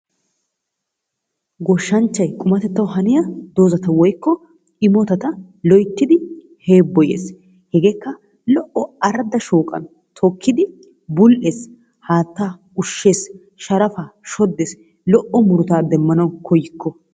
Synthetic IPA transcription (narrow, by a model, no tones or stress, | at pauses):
ɡɔʃːɐnt͡ʃːɐjkʼʊmɐt̪ɛt̪ːɐwɦɐnɪjɐd̪o̞ːzɐt̪ɐwɔjkːɔ | ɪmɔt̪ɐt̪ɐ | lɔjt̪ːɪd̪ɪ | he̞ːbːɔjḛːs | hɛɡeːkːɐ | lɔʔɔɐɾɐd̪ɐʃuːkʼɐ̰n | t̪ʰɔkːɪd̪ɪ | bʊlʔeːs | haːt̪ːaː | ʊʃːe̞ːs | ʃɐɾɐfaʃɔd̪ːeːs | lɔʔɔmʊɾʊt̪aːd̪ɛmːɐnɐwkʰɔjɪkʰːɔ